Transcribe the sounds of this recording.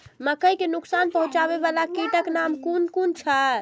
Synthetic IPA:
məkəjkenuksanpəɦũt͡ʃaβeβalakiʈəknamkunkunt͡ʃʰa

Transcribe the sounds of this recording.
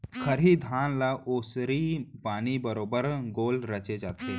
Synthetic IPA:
kʰəɾɦiːd̪ʱanlaʔosɾiːpaɽ̃ibəɾobəɾɡolɾət͡ʃed͡ʒaːt̪e

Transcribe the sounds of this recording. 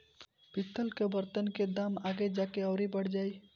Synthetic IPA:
b̥it̪ːəlkebəɾt̪ənked̪amaɡed͡ʒakeəʊɾibəɽ̤d͡ʒaːi

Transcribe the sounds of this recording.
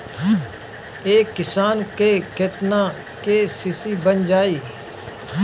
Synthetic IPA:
eːkːɪsaːnkeːket̪nãː | keːsisiːbənd͡ʒaːiː

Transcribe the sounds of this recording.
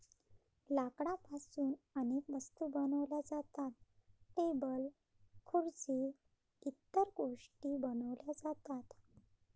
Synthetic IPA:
lakɽapasuːnənekʋəst̪uːbənəʋljad͡zat̪at̪̚ʈebəl | kʰuɾd͡ziː | it̪ːəɾɡoʂʈiːbənəʋljad͡zat̪at̪

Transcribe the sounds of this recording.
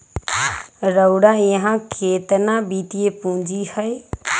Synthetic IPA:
ɾəʊɽaiɦãkʰeːt̪ənãbiːt̪iepũːd͡ʒihəe

